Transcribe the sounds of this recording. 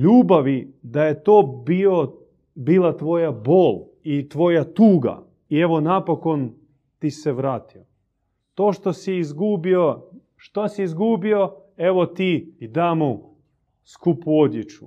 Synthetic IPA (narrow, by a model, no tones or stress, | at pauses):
ʎuːbaʋid̪ajet̪oːbio | biːlˠat̪ʋo̞jaboːl | it̪ʋo̞jat̪uːɡa̰ | ie̞ʋo̞napoko̞n | t̪iseʋɾaːt̪io | t̪oːʃt̪osiːzɡubio | ʃt̪osiizɡubio̞e̞ʋot̪iːd̪aːmo | skupuod̪jet͡ʃu̥̰